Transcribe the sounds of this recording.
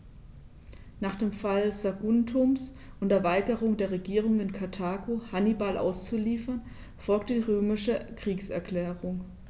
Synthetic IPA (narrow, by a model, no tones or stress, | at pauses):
naːχd̥eːmfalz̥aɡʊntʰʊms | ʔʊndɛɐvaɪɡəʁʊŋdeːɐʁeɡiːʁ̞ʊŋɪnkʰatʰaːɡohanibalʔa̰ʊst͡suliːfɐn | fɔlk̚tədiːʁøːmɪʃəkʁ̥iːksɛɐkl̥ɛːʁʊŋ